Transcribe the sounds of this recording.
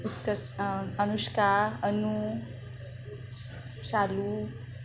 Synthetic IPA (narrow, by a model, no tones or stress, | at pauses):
ut̪kəɾənuskaənu | salu